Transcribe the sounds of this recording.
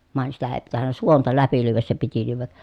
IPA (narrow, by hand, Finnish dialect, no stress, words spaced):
ʋɑˑen sitæ eː pitænːæ suontɑ læpi lyːʋæs se piti lyːʋæ